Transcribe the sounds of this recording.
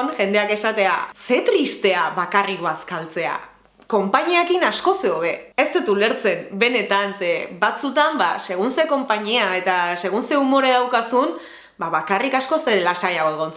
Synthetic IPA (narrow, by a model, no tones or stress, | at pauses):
nʝe̞nd̪e̞ake̞sat̪e̞a̰se̞t̪ɾist̪e̞aβakariɣoaskalt͡se̞a̰ | ko̞mpaɲiakinasko̞se̞oβe̞est̪et̪ule̞ɾt͡se̞mbe̞ne̞t̪ansebat͡sut̪amba̰se̞ɣ̞unse̞ko̞mpaɲiae̞t̪ase̞ɣ̞unseumo̞ɾeðawkasun | baβakarikasko̞se̞ɾelasajaɣoeɣont͡s